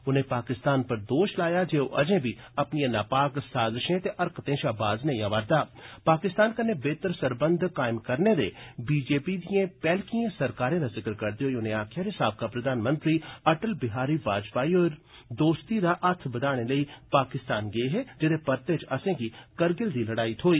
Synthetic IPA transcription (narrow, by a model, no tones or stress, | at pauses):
ʊnɦẽpaːkɪst̪aːnpɐɾd̪oːʃlaːjad͡ʒeːoʔɐd͡ʒẽbʱiɐpnijãnaːpaːksaːzɪʃẽt̪eʔɐɾkt̪ẽːʃaːbaːznɐĩãʋaːɾd̪aːpaːkɪst̪aːnkɐnebeːt̪əɾsɐɾbə̃nd̪ʱkaːɪmkɐɾned̪ebiːd͡ʒeːpid̪iẽpɛːlkiẽsɐɾkaːɾẽd̪azɪkəɾkɐɾd̪iɦoːiʊnẽaːkʰaɾɦɪsaːb̚kapɾɐd̪ʱaːnmə̃nt̪ɾiɐʈəlbɪɦaːɾibaːd͡ʒpaːiɔːɾ | d̪oːst̪id̪aʔɐt̪ʰbɐd̪aːɽ̃eləipaːkɪst̪aːnɡeeɦɛd͡ʒɪd̪epɐɾt̪eːd͡ʒɐsẽkikɐɾɡɪld̪ilɐɽaːit̪ɦoːiː